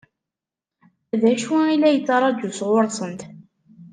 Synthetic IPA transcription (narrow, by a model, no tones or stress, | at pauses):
æðæʃwæilːæjət͡sːɑɾˤɑd̪usʁʊɾˤsˤənt̪